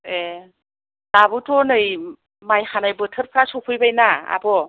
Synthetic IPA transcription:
e | dabɯtɔnɯj | majxanajbɯtʰɯɾpʰɾasɔpʰɯjbajnaa̰bɔ

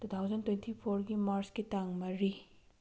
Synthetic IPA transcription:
tut̪ʰawzɐntwentʰipʰoɾɡimaɾskitaŋmɐɾi

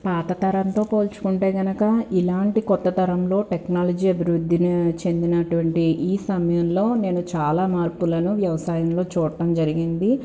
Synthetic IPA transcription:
paːt̪ɐt̪ɐɾɐnt̪o̞ːpo̞ːlt͡ʃu̥kuɳʈe̞ːɡɐnɐkɐilaːɳʈikɔt̪ːɐt̪ɐɾɐmlo̞ːʈeknaːlɐd͡ʒiːɐbʱiɾud̪ʱːint͡ʃe̞nd̪inɐʈuʋɐɳʈiʔiːsɐmɐjɐmlo̞ːne̞ːnut͡ʃaːlaːmaːɾpulɐnuʋjɐʋɐsaːjɐmlo̞ːt͡ʃuːɽɐʈɐmd͡ʒɐɾiɡind̪i

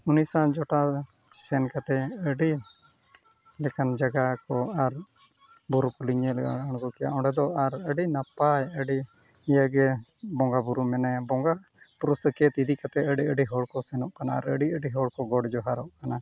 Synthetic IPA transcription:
unisãd͡ʒɔʈasɛnkat̪ɛəɖi | lɛkand͡ʒaɡakɔaɾ | buɾukuliɲɛlɛaañkɔkɛja̰ʔɔ̃ɳɖɛd̪ɔaɾəɖinapajəɖi | jaɡɛbɔŋɡabuɾumɛnɛbɔŋɡa | puɾuskɛt̪id̪ikat̪ɛəɖiəɖiɦɔɽkɔsɛnɔʔkanaːɾəɖiəɖiɦɔɽkɔɡɔɽd͡ʒɔɦaɾɔʔkana

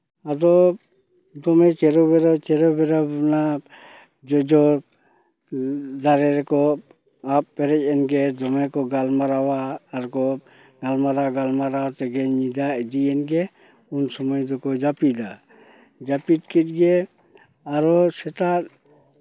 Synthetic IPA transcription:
ad̪ɔ | d̪ɔmɛt͡ʃɛɾɔbɛɾɔt͡ʃɛɾɔbɛɾɔbɔna | d͡ʒɔd͡ʒɔ | d̪aɾɛɾɛkɔ | ap̚pɛɾɛc̚ˀɛnɡɛd̪ɔmɛkɔɡalmaɾawaːɾkɔ | nalmaɾaɡalmaɾawt̪ɛɡɛɲid̪aɛd̪iɛnɡɛ | unsɔmɔjd̪ɔkɔd͡ʒapid̪a | d͡ʒapit̚kit̪̚ˀɡɛ | aɾɔsɛt̪at̪̚

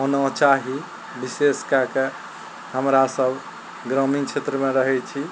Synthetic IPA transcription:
onət͡ʃaɦi | biseskake | həmɾasəb | ɡɾəmint͡ʃʰet̪ɾəmeɾəɦɛt͡ʃʰi

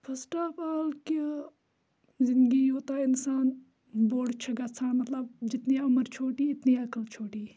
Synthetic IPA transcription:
pʰɐsʈaːpaːlki | zɪ̃nd̪ɡiːjoːt̪aːɪnsaːn | boːɽt͡ʃʰɐɡat͡sʰaːnmɐt̪lɐb̚d͡ʒɪt̪niɐməɾt͡ʃʰoːʈiːɪt̪niːɐkəlt͡ʃʰoːʈiː

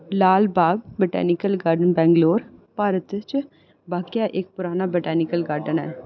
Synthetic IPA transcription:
laːlbaːɡbɪʈɛ̰ːnɪkəlɡaːɾɖənbɛ̃ːŋɡloːɾpaːɾət̪t͡ʃ | baːkijaːʔek̚pʊɾaːnaːbəʈɛːnɪkəlɡaːɾɖənɛ̰ː

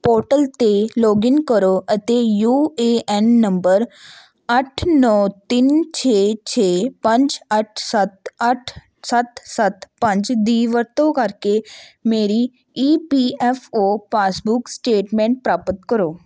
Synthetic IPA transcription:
poːɾʈəlt̪eːloːɡɪnkəɾoːʔət̪eːjuːeːʔɛnːəmbəɾ | əʈʰnɔːt̪ɪnt͡ʃʰeːt͡ʃʰeːpə̃ɲd͡ʒəʈ̚ʰsət̪əʈʰ | sət̪sət̪pə̃ɲd͡ʒd̪iːʋəɾt̪õːkəɾkeːmeːɾiː | iːpiːɛːfʰoːpaːsbʊksʈeːʈmɛ̃ːɳʈ̚pɾaːpət̪kəɾoː

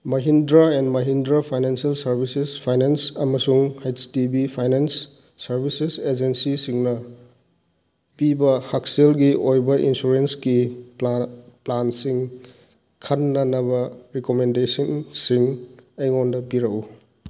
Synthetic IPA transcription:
mɐɦindɾaendmɐɦindɾapʰajnensialsɐɾbʱisespʰajnensɐmɐsuŋhejstibipʰajnensː | ɐɾbʱisesed͡ʒensisiŋnɐ | pibɐhakselɡiojbɐʔḭnsuɾensɡi | plansiŋ | kʰɐnːɐnɐbɐɾikomendesɐnsiŋɐjŋondɐpiɾɐku

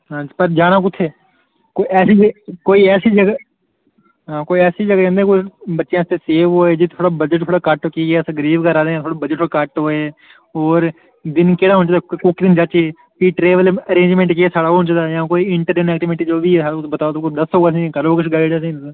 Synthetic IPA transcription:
ɦãːd͡ʒpəɾd͡ʒaːɽãːkʊt̪ʰːeː | koːiɛːsiːd͡ʒkoːiːɛːsiːd͡ʒəɡ | ɦãːkoːiːɛːsiːd͡ʒəɡəːkɛ̃nd̪ẽːkoːibətːʃjãːst̪ʰeːseːʋɦoːeːd͡ʒeːt̪ʰoːɽaːbəd͡ʒəʈtʰoːɽaːkəʈokiːeːsɡəɾiːʋkəɾaːd̪ẽt̪ʰoːɽabəd͡ʒəʈt̪ʰoːɽkəʈɦoːeː | oːɾ | d̪ɪnkeːɽaːɦʊ̃nt͡ʃːd̪aːkʊkd̪ɪnd͡ʒat͡ʃeː | piːʈɾeːʋələɾẽːnd͡ʒmẽːɳʈkeːsaːɽaːoɦʊ̃nt͡ʃːd̪aːjãːkoːiːɪɳʈəɾenɛːkʈimẽʈid͡ʒoːbiːsaːɽbət̪aːt̪okd̪əsoːɡas̬ĩːkəloːkʊt͡ʃʰɡaːɪɽas̬ĩː

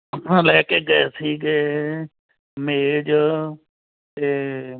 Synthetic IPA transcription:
ãːlɛːkeːɡesʰiːɡeː | meːd͡ʒ | t̪eː

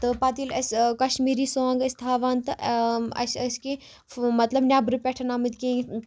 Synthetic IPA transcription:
t̪ɨpaːt̪ilɐskɐʃmiːɾiːsoːŋɡɐsʲt̪ʰaːʋaːnt̪ɨʔɐ̰sɐski | mɐt̪lɐbnʲjaːbɾɨpʲɛʈʰɐnaːmɨt̪kĩ

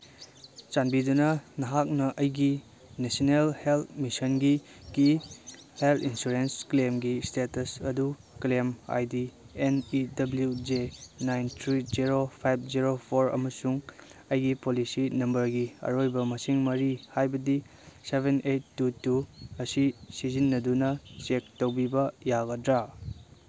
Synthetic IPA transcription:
t͡ʃanbidunɐnɐɦak̚nɐʔɐjɡi | nesinelheltmisɐnɡi | kiheltʰinsuɾensklemɡistetɐsɐdu | klema̰jdi | enidɐbljud͡ʒenajntʰɾid͡ʒiɾopʰajp̚ʰziɾopʰoɾɐ̰mɐsuŋɐjɡipolisinɐmbɐɾɡiɐ̰ɾojbɐmɐsiŋmɐɾihajbɐdi | sebʱenejtːutuɐsisizinːɐdunɐt͡ʃek̚towbibɐjaɡɐdɾa

